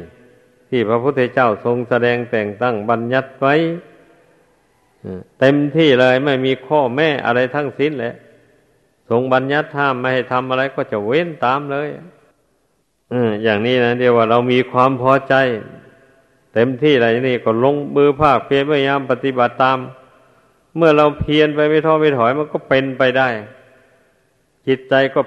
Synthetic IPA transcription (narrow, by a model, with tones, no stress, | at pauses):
t̪ʰiː˧˩pʰɾa˧pʰu˧˥t̪ʰːe˧t͡ɕa˧˩˨wso˧ŋsa˧dɛː˧ŋt̪ɛː˨˩ŋt̪a˧˥˩ŋba˧nɲa˧˥t̪̚wa˧˥j | ʔɯː˧˩t̪e˧mt̪ʰiː˧˩la˧a˧˨˩jma˥˩jmiː˧kʰɔː˧˩mɛː˧˩˨ʔa̰˧ɾa˧jt̪ʰa˧˥˨ŋsi˧˥nlɛ˧˦ʔ | so˧˦ŋba˧nɲa˧˥t̪̚haː˧˥˩mːa˧˩ha˨˩jt̪ʰa˧mʔa˧ɾa˧jkɔː˧˩t͡ɕa˧˩we˧˥˨nt̪aː˨˦mlɤː˧˥˨j | ʔɯː˧˩jaː˨˩ŋniː˧˥˩na˦˧˥di˧waː˧˩ɾa˧wmiː˧kʰwaː˧mpʰɔː˧˥t͡ɕa˧j | t̪e˧mt̪ʰiː˧˩la˧˩ja˧niː˧˩kɔː˧˩lo˧ŋmɯː˧pʰaː˧˥˩k̚pʰi˧nma˧˥˩jɲaː˧˥˨mpa˧t̪i˧˥ba˨˩t̪ːaː˧mː | ɯ˥˩ɐɾa˧wpʰi˧ənpa˧jma˧˥˩jt̪ʰɔː˧˥˩mɛ˧˩t̪ʰɔː˨˦jma˧˥˨nkɔː˧˥˩pe˧npa˧jda˥˩j | t͡ɕi˧˥t̪̚t͡ɕa˧jkɔː˧˩